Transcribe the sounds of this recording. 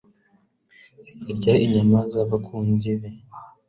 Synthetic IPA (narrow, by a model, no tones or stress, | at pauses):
z̥ikaɾɟaʔiɲamazaβakʰuːnziβe